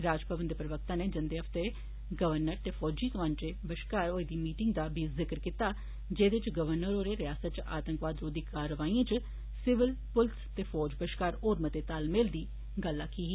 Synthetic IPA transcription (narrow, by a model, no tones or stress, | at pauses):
ɾaːd͡ʒpəbənd̪pɾəʋək̚t̪ãːneːd͡ʒɪnd̪eːɦəft̪e | ɡəʋəɾnəɾt̪eːfʰɔːd͡ʒiːt̪əʋãːnt͡ʃeːbəʃkaːɾoːed̪iːmiːʈɪŋɡd̪aːbiːzɪkɾkit̪aː | d͡ʒeːd̪ɪt͡ʃɡəʋəɾnəɾoːɾeːɾɪjaːsət̪̚t͡ʃa̰ːt̪ə̃ŋkʋaːd̪ɾoːd̪iːkaːɾəʋaːĩãt͡ʃ | sɪʋɪlpʊlt̪t̪eːfʰɔːd͡ʒbəʃkaːɾoːɾmət̪eːt̪aːlmeld̪iː | ɡəlːaːkiːɦiː